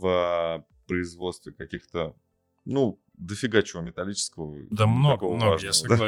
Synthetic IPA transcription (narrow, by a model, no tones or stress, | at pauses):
və | pɾəɪzvo̞t̪st̪vʲɪkɐkʲixt̪ə | nu | d̪əfʲɪɡat͡ɕɪvəmʲɪt̪ɐlʲit͡ɕɪ̥skəvəd̪ankovəvaʐnəd̪a